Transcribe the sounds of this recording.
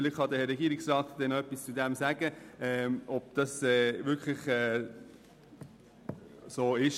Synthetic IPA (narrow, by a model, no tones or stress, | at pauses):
ɪlɪχχɑd̪əhɾɛɡiəɾiksɾɑːtd̥ɛnœpːist͡sud̪ɛmsæɡ̥əɛːɔb̥̚d̪̥ɑsɛːvʏɾkʰlɪχɛː | soːɪʃ